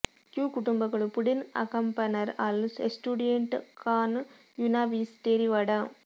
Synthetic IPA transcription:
kjuːkʊɽʊmbɐɣɐɭpʊɽɪnɐ̰kɐmpɐnɐɾaːlsesʈuːɽɪjeɳʈkaːn | junaːʋiːsʈ̪eːɾiʋɐɽɐ

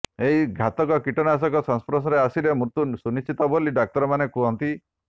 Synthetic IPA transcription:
eɦiɡʱat̪ɔkɔkiʈɔnas̬ɔkɔsɔnspɾɔs̬ɔɾeasiɾemɾut̪usunist͡ʃit̪ɔboliɖak̚t̪ɔɾɔmanekuɦɔnt̪i

